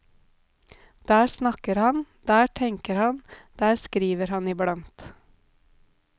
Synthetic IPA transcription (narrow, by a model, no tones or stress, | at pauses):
d̪̥æːsnɑkəɾhɑnd̪̥æːʈʰɛŋkəɾhɑnd̪̥æːɾskɾiːʋəɾhɑniːblɑŋt̪